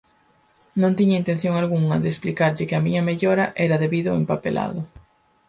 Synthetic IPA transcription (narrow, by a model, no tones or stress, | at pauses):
nõnt̪iɲɐint̪ẽn̟θjoŋalɣuŋɐðesplikaɾʎɪkɪɐmiɲɐmeʎoɾɐʔɛɾɐðeβiðʊempapḛla̰ðʊ